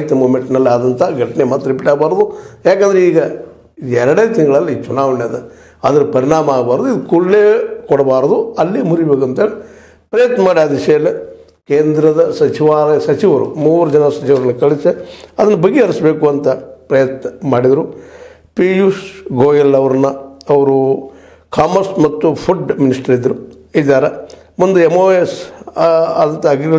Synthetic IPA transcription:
t̪ːɐmuːmeɳʈnɐlːiaːd̪ɐnt̪aɡʱɐʈːɐnemaːt̪ːɐɾipiʈaːɡɐbaːɾɐd̪ujaːk̬eːnd̪ɐɾeiːɡɐ | iɛɾɐɽeːt̪inɡɐɭɐlːiiːt͡ʃunaːʋɐɳjɐd̪ɐ | ɐd̪ɐɾupɐɾiɳaːmɐaːɡɐbaːɾɐd̪uid̪ukuɭːeːkɔɽɐbaːɾɐd̪uɐlːeːmuɾibeːkuɐnt̪eːle | pɾɐjɐt̪nɐmaːɽiaːd̪ʋiʂɐjɐlːi | keːnd̪ɾɐd̪ɐsɐt͡ʃiʋaːɾɐsɐt͡ʃiʋɐɾṵmuːɾɐd͡ʒɐnɐsɐt͡ʃiʋɐɾɐnːɐkɐɭiseɐd̪ɐnːɐbɐɡːeɐɾisbe̞ːkuɐnt̪ɐpɾɐjɐt̪nɐmaːɽid̪ɐɾu | pijusɡoːjɐlːɐʋɐɾɐnːɐɐʋɐɾu | kʰaːmɐɾsmɐt̪ːupʰuɖminisʈɐɾid̪ːɐɾu | id̪ːaːɾɐ | mund̪uemoːes | ɐɐnt̪ɐɐɡiɡɐ

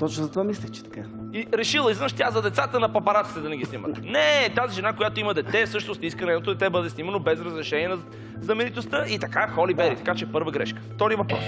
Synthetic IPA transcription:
t̪ɔt͡ʃnozɐt̪ovamislʲɛt͡ʃɛ̥t̪ɐ̥ka | iɾɛʃilˠəizənʃt̪ʲazɐd̪ɛt̪sat̪ənɐpɐpɐɾat̪i̥t̪ɛd̪ɐnɛɡisnimə̰t̪nɛt̪aziʒɛnakojat̪oiməd̪ɛt̪ɛsɤʃt̪nost̪iskənɛnot̪od̪ɛt̪ɛbɤd̪ɛsnimɐnobɛzɾəzɾɛʃɛniɛnɐ | znɐmɛnit̪ost̪əʔit̪ɐkaxɔlibɛɾit̪ɐ̥kat͡ʃɛpɤɾvəɡɾɛ̰ʃkə̥ft̪ɔɾiəvɐpɾɔ̰s

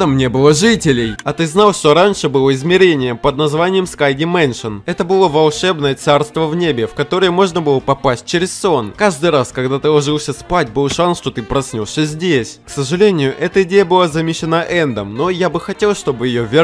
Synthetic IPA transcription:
əmnʲebɨlˠəʐɨtʲɪlʲɪjɐt̪ɨznalˠʂt̪o̞ɾanʲʂɨbɨlˠəɪzmʲɪɾʲenʲɪjəpəd̪̚nɐzvanʲɪjəmskajdʲɪmɛnʂɨnɛt̪əbɨlˠəvɐlˠʂɛbnəjət̪sarst̪vəvnʲebʲɪfkɐt̪o̞ɾəjəmo̞ʐnəbɨlˠəpɐpasʲt̚ʲt͡ɕɪɾʲɪsso̞nkaʐd̪ɨjɾaskɐɡd̪at̪ɨlˠɐʐɨlˠsʲəspat̚ʲbɨlˠʂansʂt̪o̞t̪ɨpɾɐsʲnʲosʲəzʲdʲesʲksəʐɨlʲenʲɪjʊʔɛt̪əɪdʲejəbɨlˠazɐmʲɪɕɪnaʔɛnd̪əmno̞jabɨxɐtʲe̞lˠʂt̪o̞bɨjɪjovʲɪ

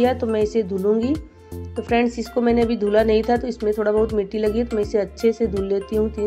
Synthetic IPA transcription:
ijat̪omɛ̃ːɪsed̪ʱuːlũːŋɡi | t̪ofɾɛ̃ːɳɖsɪskomɛːneɐbʱid̪ʱuːlanɐɦĩt̪ʰat̪oɪsmẽt̪ʰoːɽabɐɦʊt̪mɪːʈilɐɡit̪omɛ̃ːɪseɐtːʃʰesed̪ʱuːlːeːt̪iɦũt̪ʰi

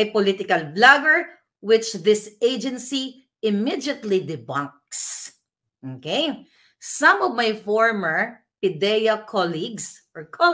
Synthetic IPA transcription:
ajpɔlit̪ɪkɐlblaɡəɹ | wɪt͡ʃðɪseɪd͡ʒɛ̃nsi | ɪmid̪ɐt̪lid̪ɪbãŋk̚s | ʔokej | sɐ̃mɔvmajfɔɹmɛɹ | pɪd̪ɛjɐkʰɔliɡsʔɔɹkʰɔ

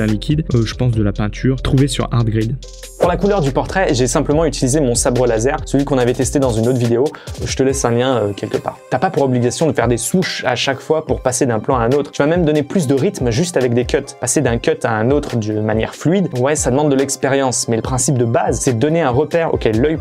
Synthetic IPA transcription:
ɛ̃likʲid̪ʒəpɑ̃s̬d̪əlapɛ̃t̪ʰyːʁt̪χuvesy̰ʁa̰ʁt̪̚ɡʁid̪ | puʁlakulœʁd̪ypɔʁt̪χɛʒɛsɛ̃pləmɑ̃yt̪ilizemɔ̃sabʁəlazɛʁsəlɥikɔ̃navɛt̪ɛst̪ed̪ɑ̃zynot̪ʰvid̪eoʒət̪əlɛsɛ̃ljɛ̃økʲɛlkəpa̰ːʁt̪yapapuʁɔbliɡasjɔ̃d̪əfɛʁd̪esuʃa̰ʃakfwapuʁpased̪ɛ̃plɑ̃aɛ̃not̪χt̪əvamɛmd̪ɔneplys̬d̪əʁit̪mʒyst̪avɛk̚d̪ekʲœt̪pased̪ɛ̃kʲœt̪aɛ̃not̪χd̪ynmanjɛ̰ʁflyid̪wɛsad̪əmɑ̃d̪ːəlɛkspeʁjɑ̃smɛləpχɛ̃sip̚d̪əbazsɛd̪ɔneɛ̃ʁəpɛʁo̰kʲɛlːœj

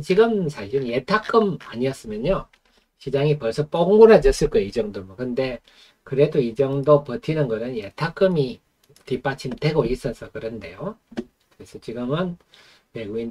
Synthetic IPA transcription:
t͡ɕiɡɯmsʰaɕʰiɾje̞tʰak͈ɯma̰ɲiʌs͈ɯmjʌɲo | ɕʰid͡ʑaŋipʌɭs͈ʰʌp͈oɡŋɡuɾad͡ʑʌs͈ɯɭk͈ojeid͡ʑʌŋdomʌkɯnde̞ | kɯɾe̞doid͡ʑʌŋdopʌtʰinɯnɡʌnɯnje̞tʰak͈ɯmi | tip͈at͡ɕʰinte̞ɡois͈ʌs͈ʌkɯɾʌnde̞jo | kɯɾe̞sʰʌt͡ɕiɡɯmɯn | me̞ɡuɡin

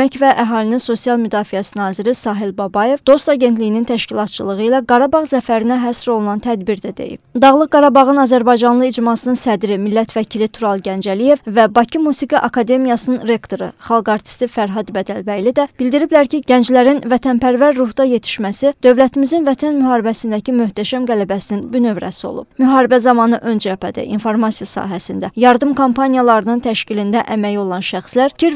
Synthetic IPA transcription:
æcvæʔæɦɑːlininso̞sijɑlˠmyd̪ɑːfijæsinɑːziɾisɑːɦilbɑbɑje̞vd̪o̞st̪ɑɟe̞nt̪lijinint̪ʰæʃcilˠɑt̪̚t͡ʃʰɯlˠɯʁɯilæɡɑɾɑbɑʁzæfæɾinæɦæsɾo̞lˠunɑnt̪ʰæd̪biɾd̪æd̪ḛjḭbd̪ɑɣlˠɯqɡɑɾɑbɑʁɯnɑzæɾbɑjd͡ʒɑnlˠɯid͡ʒmɑsɯnɯnsæd̪ɾimilːæt̪ʰvæcʰilit̪ʰuɾɑlˠɟænd͡ʒælije̞vvæbɑcʰimusiɡiʔɑkʰɑd̪e̞mijɑsɯnɯnɾe̞kt̪ʰo̞ɾɯ̰χɑlˠɡɑɾt̪ʰi̥st̪ifæɾɦɑd̪bæd̪ælbæjlid̪æb̥ild̪iɾiblæɾciɟ̥ænd͡ʒlæɾinvæt̪ʰænpæɾvæɾːuhd̪ɑje̞t̪ʰi̥ʃmæsid̪̥ø̞vlæt̪ʰimizinvæt̪ʰænmyɦɑːɾibæsind̪æcimøht̪ʰæʃæmɡælæbæsininbynø̞vɾæ̰sio̰lˠṵb̥myɦɑːɾibæzɑmɑnɯʔø̞nd͡ʒæpæd̪ḭʔḭnfo̞ɾmɑsijɑsɑ̰ːɦæsind̪æjɑɾd̪ɯmkʰompʰɑnijɑlˠɑɾɯnɯnt̪ʰæʃcilind̪æʔæmæjio̞lˠɑnʃæxslæɾcʰiɾ

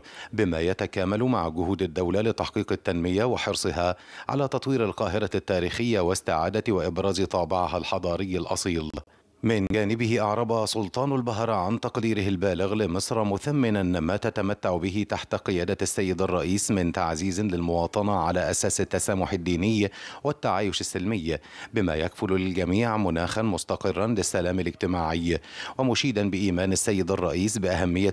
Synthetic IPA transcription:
bɪmaːjat̪akaːmalʊmaʕɡʊhuːd̪ad̪ːawlalɪt̪aħqiːqɪt̪ːanmɪjawɪħɨɾsˤɨɦaːʕa̰laːt̪ɑt̪ˤwiːɾalqɑːɦɪɾat̪ːaːɾiːxɪjːawɪst̪ɪʕa̰ːd̪awaʔɪbɾˤɑːzt̪ˤɑːbɪʕaɦalħɑd̪ˤɑːɾɪjːalʔɑ̰sˤiːl | mɪnd͡ʒaːnɪbɪhɪʔɑʕɾˤɑbɑsʊlt̪ˤɑːnalbaɦɾˤʕant̪ɑqd̪iːɾɪɦɪlbaːlɪɣlɪmɨsˤɾmʊθamːɪnanmaːt̪at̪amat̪ːaʕbɪɦɪt̪aħt̪qɨjaːd̪asːajːɪd̪ɑrˤːɑʔiːsmɪnt̪a̰ʕziːzlɪlmʊwɑːt̪ˤɑnɑʕalaːʔasaːsɪt̪ːasaːmʊħɪd̪ːiːnɪjːwɪt̪ːaʕaːjʊʃɪsːɪlmɪjːbɪma̰ːjakfʊlalɡamiːʕmʊnaːxanmʊst̪ɑqɨrːɑnlɪsːalaːmɪlɪd͡ʒt̪ɪmaːʕɪjːwɪmʊʃiːd̪anbɪʔiːmaːnasːajːɪd̪ɑrˤːɑʔiːsbɪʔaɦamːɪjːa

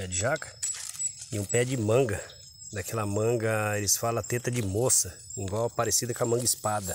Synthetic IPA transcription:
ɛd͡ʒɪʒakɐ̥ | ɪũpɛd͡ʒɪmɐ̃ɡɐ | d̪akɛlɐmɐ̃ɡɐelɪsfalɐt̪et̪ɐd͡ʒɪmosɐĩŋɡwawpaɾesid̪ɐkɐmɐ̃ŋɡispad̪ɐ

